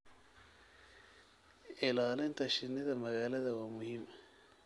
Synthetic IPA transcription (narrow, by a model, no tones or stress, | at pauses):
ʔɪlaːlɪnt̪ʰɐʃɪnːɪðɐmɐɣaːlɐðɐwaːmʊhiːmɐ